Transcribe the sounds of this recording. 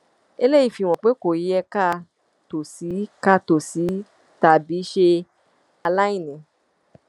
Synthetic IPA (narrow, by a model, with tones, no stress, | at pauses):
e˧le˦i˦˨fi˧w̃ɔ̃˨k͡pe˨˦ko˨˦jɛ˧ka˦˨ | to˨si˨˦ka˧to˨si˨˦ | ta˧˨bi˨˦ʃe˧ | a˧la˦ĩ˦˨nɛ̃˨˦